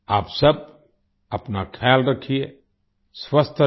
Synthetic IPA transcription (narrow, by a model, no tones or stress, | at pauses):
aːpsəb̚ | ɐpnakʰɛːlɾəkʰie | swəst̪ʰ